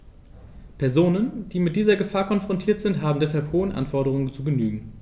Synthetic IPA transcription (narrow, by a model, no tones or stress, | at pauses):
pʰɛɐzoːnənd̥iːmɪt̚d̥iːzɐɡəfaːɐkʰɔnfʁ̥ɔntʰiːɐtz̥ɪntɦaːbm̩dɛshalphoːənʔa̰nfɔɐdɾəʁ̞ʊŋənt͡suːɡənyːɡŋ̩